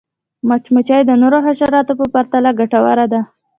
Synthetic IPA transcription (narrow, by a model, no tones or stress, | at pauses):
mat͡ʃmət͡ʃajd̪ənoɾoɦaʃaɾɑt̪opəpaɾt̪alaɡaʈawa̰ɾad̪a